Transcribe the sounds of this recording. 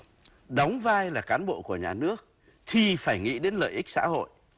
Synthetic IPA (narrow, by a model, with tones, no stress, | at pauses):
ɗə˨˦wŋ͡mvaː˧jlaː˨˩kaː˨˦nɓo̰˧˨ku˧˩əɲaː˨˩nɨ˦˥ək̚ | t̪ʰi˨˩faː˧˩jŋḭ˧˥ɗe˨˦nlə̰ː˧˨jʔi˦˥k̟̚sa̰ː˧˥ho̰˧˨j